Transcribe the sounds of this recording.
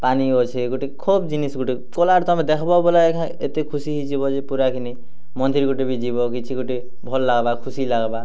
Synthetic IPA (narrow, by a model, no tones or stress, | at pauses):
paniot͡ʃʰeɡuʈikʰubd͡ʒinisɡuʈi | kɔlaɾt̪ɔmed̪ekʰɔbɔbɔlaekʰã | et̪ekʰusiɦid͡ʒibɔd͡ʒepuɾakʰini | mɔnd̪ʱiɾɡuʈibid͡ʒibɔkit͡ʃʰiɡuʈi | bʱɔlɔːaɡbakʰusilaɡba